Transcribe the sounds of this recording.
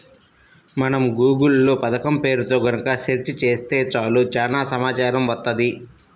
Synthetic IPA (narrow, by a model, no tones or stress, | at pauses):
mɐnɐmɡuːɡulːuːpɐd̪ɐkɐmpe̞ːɾut̪o̞ːɡɐnɐkɐʃeɾt͡ʃit͡ʃeːst̪e̞ːt͡ʃaːlut͡ʃaːnaːsɐmaːt͡ʃaːɾɐmʋɐt̪ːɐd̪i